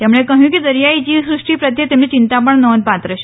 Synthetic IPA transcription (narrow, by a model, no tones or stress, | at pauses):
t̪jamuɭekə̃ɦĩːkid̪əɾjait͡ɕiːsɾuʂʈiːpɾət̪jət̪emnit͡ɕint̪apəɳnəʋənpat̪ɾəɕ